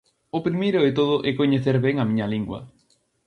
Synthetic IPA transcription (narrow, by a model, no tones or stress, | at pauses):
ʊpɾimejɾʊɪt̪oð̞ʊʔɛkoɲeθeɾβɛŋɐmĩɲɐliŋɡwɐ̰